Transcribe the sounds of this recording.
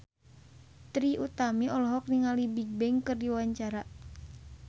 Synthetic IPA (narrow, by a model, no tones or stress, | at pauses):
t̪ɾiʔut̪amiɔlɔɦɔk̚niŋalibiɡ̚bɛŋkɨrdiwaɲt͡ʃaɾa